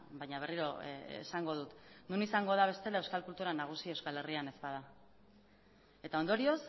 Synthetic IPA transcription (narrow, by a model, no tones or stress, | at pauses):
bajɲaβ̞e̞riɾoḛsaŋɡo̞ð̞ut̪nunisaŋɡo̞ð̞aβ̞e̞st̪e̞lae̞wskalkult̪uɾanaɣ̞usie̞wskale̞riane̞zpaða | e̞t̪ao̞nd̪o̞ɾio̞s